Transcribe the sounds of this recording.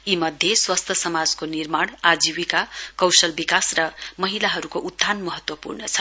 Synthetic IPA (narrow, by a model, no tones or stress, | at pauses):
imʌd̪ʱjeswast̪ʰʌsʌmad͡zkonirmaɽ̃ad͡ziwikakʌwsʌlbikasrʌmʌɦilaɦʌɾukoʔud̪ʱːanmʌɦʌt̪wʌpṵrnʌt͡sʰʌ